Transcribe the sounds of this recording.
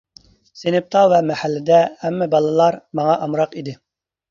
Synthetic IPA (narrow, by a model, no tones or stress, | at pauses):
senɪp̚t̪ʰɑvɛmɛhælːɪd̪ɛhɛmːɛbɑlˠɨlˠɑɾmɑŋɑʔɑmɾɑqid̪ɪ